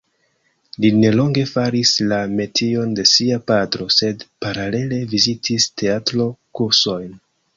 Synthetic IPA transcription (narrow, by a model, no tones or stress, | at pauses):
line̞lo̞ŋɡe̞faɾislame̞tʰio̞nde̞siapadɾo̞se̞dpaɾale̞le̞vizitʰistʰe̞atɾo̞kuɾso̞jn